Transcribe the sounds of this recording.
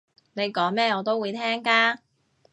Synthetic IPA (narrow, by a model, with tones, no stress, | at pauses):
ne˨˧jkɔː˨˥ŋmɛː˥ŋɔː˨˧t̪o˥wuː˨˧jt̪ʰɛː˥ŋkaː˥